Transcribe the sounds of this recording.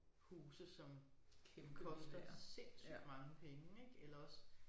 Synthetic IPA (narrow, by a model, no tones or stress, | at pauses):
huːsəsɒ̽mkʰe̥kkʰɒsd̥ɐsḛsyb̥mɑ̈ŋəpʰeŋəeɡ̥elɐɒ̽s